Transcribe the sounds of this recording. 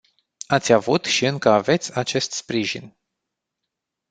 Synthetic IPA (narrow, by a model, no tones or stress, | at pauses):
at̪sʲavut̪ʃiɨŋkəave̞t̪sʲat͡ʃe̞st̪spɾiʒin